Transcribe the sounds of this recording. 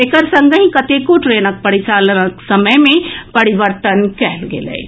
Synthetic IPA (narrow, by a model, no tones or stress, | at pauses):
ekəɾsə̃ŋɡʱəĩkɐt̪ekoʈɾeːnək̚pɐɾit͡ʃaːlnəksɐməjmẽpɐɾiʋəɾt̪ənkɛɦlɡḛlḛː